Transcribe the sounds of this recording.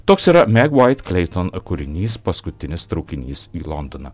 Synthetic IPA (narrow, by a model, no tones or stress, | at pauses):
t̪oːksiːɾɐmʲɛɡʋaɪt̪klʲɛɪt̪onkʊɾʲɪnʲiːspɐskʊt̪ʲɪnʲɪst̪ɾɐʊkʲɪnʲiːsiːlˠɔnd̪onɐ